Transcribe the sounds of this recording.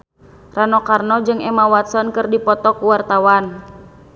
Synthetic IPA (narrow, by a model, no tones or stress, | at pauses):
ranɔkarnɔd͡ʒɨŋɛmawat̪sɔnkɨrdipɔt̪ɔkuwart̪awan